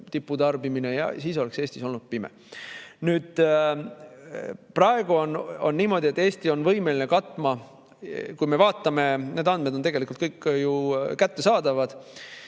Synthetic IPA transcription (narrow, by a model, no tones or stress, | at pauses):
t̪ipːˑud̪ɑrbiminejɑ̰siːs̬o̞lekse̞ːsʲt̪iso̞lnud̪̥̚pimɛ̰ | nyːd̪̥ | prɑe̞ɡ̥uono̞̰nːiːmo̞d̪ʲie̞t̪ːˑe̞ːst̪io̞nvɤjmelinekɑt̪ːˑmɑ | kujme̞vɑːt̪ːˑɑme̞ne̞ːd̪ɑnd̪̚me̞d̪ot̪e̞ɡelikult̪̚kɤjkːjukæt̪ːe̞sɑːd̪ɑvɑd̪̥